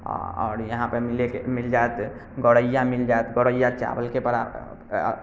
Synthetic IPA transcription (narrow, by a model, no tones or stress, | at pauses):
ɔ̰ːɾjɐɦãpemɪlekemɪld͡ʒaet̪ | ɡɔɽəjːãmɪld͡ʒaet̪ɡɔɽəjat͡ʃa̰ːbəlkepəɾa̰